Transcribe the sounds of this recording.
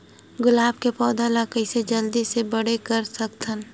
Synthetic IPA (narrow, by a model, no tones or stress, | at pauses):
ɡʊlaːb̚kepɔːd̪alakəɪsed͡ʒəld̪isebəɽekəɾsəkt̪ʰən